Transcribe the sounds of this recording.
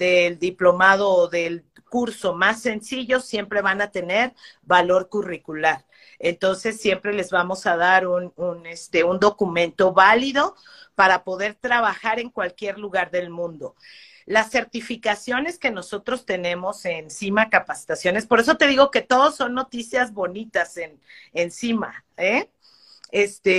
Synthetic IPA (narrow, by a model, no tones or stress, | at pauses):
d̪e̞ld̪iplo̞mað̞o̞ːðe̞l | kuɾso̞masːe̞nsiʝo̞sje̞mpɾe̞βanat̪e̞ne̞ɾβalo̞ɾkurikulaɾ | e̞nt̪o̞nse̞sːje̞mpɾe̞le̞zβamo̞sað̞aɾununest̪e̞und̪o̞kumẽ̞nt̪o̞βaliðo̞ | paɾapo̞ðe̞ɾt̪ɾaβ̞axaɾe̞ŋkwalkje̞ɾluɣaɾðe̞lmũnd̪o̞ | lasːeɾt̪ifikasjo̞ne̞ske̞no̞so̞t̪ɾo̞st̪e̞nẽ̞mo̞se̞nsimakapasi̥t̪asjo̞ne̞spo̞ɾe̞s̬o̞t̪e̞ðiɣo̞ke̞t̪o̞ðo̞sːo̞nːo̞t̪isjazβo̞nit̪ase̞n | ensima̰e | est̪e